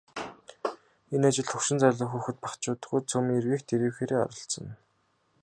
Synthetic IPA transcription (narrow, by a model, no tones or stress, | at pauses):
enat͡ɕɪ̆ɮt̪ʰɵkʃɪ̆nt͡sæɮʊ̆ːŋxuːxɘ̆t̪̚pḁkt͡ɕʊːt̪ə̥̆xɡuːjt͡sʰɵmiːerɣiːkt̪ʰeɾiːwxeːɾeːɔ̰ɾɞ̆ɬt͡sɞ̆n